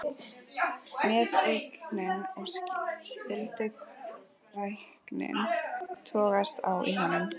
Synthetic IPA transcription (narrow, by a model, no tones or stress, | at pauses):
mɛːðeknɪnɔɣstɪlt̪ɪk | rajhknɪ̰nt̪ʰɔːɣast̪a̰wḭɦanːʏm